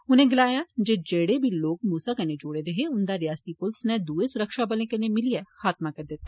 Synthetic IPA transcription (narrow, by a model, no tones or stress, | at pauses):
ʊnɦẽɡɪlaːjad͡ʒeːd͡ʒeːɽebʱiloːk̚muːsakɐned͡ʒoːɽed̪eɦeʊnd̪aɾɪjaːsət̪ipʊlsnẽd̪uːesʊɾəkʃabɐlẽkɐnemɪliɛxaːt̪makɐɾd̪et̪ː